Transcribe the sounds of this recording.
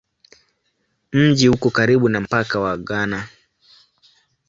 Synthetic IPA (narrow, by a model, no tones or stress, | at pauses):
m̩ʄihukɔkaɾiɓunam̩pakawaɠana